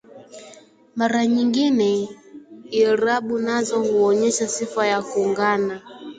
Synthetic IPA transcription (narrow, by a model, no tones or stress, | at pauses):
maɾaɲiŋɡinɛ | iɾaɓunazɔhuɔɲɛʃasifajakuːŋɡana